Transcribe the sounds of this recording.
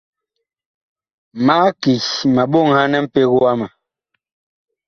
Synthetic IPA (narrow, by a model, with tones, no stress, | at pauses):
maː˨˦ki˨ma˨ɓo˦˨ŋha˦nɛ˦m̩˦pe˦ɣo˦a˦ma˨